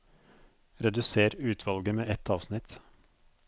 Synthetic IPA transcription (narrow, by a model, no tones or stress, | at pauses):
ɾɛd̪ʉseːɾʉːt̪ʰʋɑlɡəmeːʔɛt̪ʰɑːʋsnɪt̪